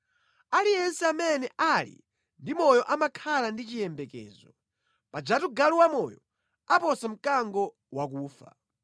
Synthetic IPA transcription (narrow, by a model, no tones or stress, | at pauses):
alijɛnsɛamɛnɛʔalḭ | ndimɔjɔʔamakʰalandit͡ʃijɛmbɛkɛ̰ːzɔ | pad͡ʒatuɡaluwamɔjɔ | apɔsam̩kaŋɡɔ | wak̬uːfa̰